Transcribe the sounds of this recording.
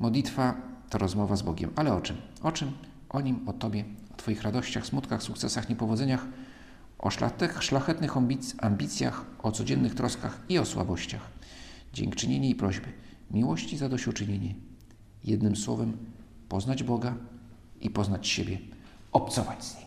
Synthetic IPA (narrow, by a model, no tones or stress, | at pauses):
mɔd̪lʲit̪fat̪ɔɾɔzmɔvazbɔɡʲɛ̰malɛɔt͡ʂɘmɔt͡ʂɘm | ʔɔɲimɔt̪ɔbʲjɛɔt̪fɔjixɾad̪ɔɕt͡ɕaxsmut̪kaxsukt̪sɛsaxɲɛpɔvɔd̪zɛɲax | ʔɔ̰ʂla̰t̪ɛxʂlaxɛt̪nɘxɔmbʲiambʲit̪sʲja̰xʔɔt̪sɔd͡ʑɛnːɘxt̪ɾɔskaxiɔswa̰bɔɕt͡ɕaxd͡ʑɛ̰ŋkt͡ʂɘɲeɲɛipɾɔʑbɘ | mʲiwɔɕt͡ɕizad̪ɔɕut͡ʂɘɲeɲɛ | jɛd̪̚nɘmswɔvɛm | pɔznad͡ʑbɔɡa | ʔipɔznat͡ɕɕebʲjɛ | ɔpt̪sɔvad͡ʑz̥ɲej